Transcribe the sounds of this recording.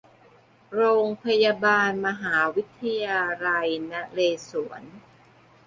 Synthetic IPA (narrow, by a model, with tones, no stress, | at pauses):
ɾoː˧ŋpʰa˧jaː˧baː˧nma˧ɦaː˩˦wi˦˥t̪ʰːa˧jaː˧ɾa˧jna˦˥leː˧su˩˦ən